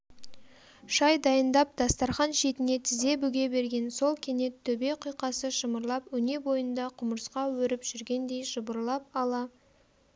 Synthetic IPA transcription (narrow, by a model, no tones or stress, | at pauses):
ʃɑjd̪ɑjənd̪ɑp̚d̪̥ɑst̪ɑɾχɑnʃe̞t̪ɪne̞t̪ʰɪze̞bʏɡʲe̞be̞ɾɡʲe̞nso̞lˠkʲʰe̞ne̞t̪ʰːɵbe̞jqʰijqɑsəʃəməɾlˠɑpwɵne̞bo̞jənd̪ɑqʰʊməɾsqɑwɵɾɪpʒ̥ʏɾɡʲe̞nd̪e̞jʃəbəɾlˠɑp̚ɑlˠɑ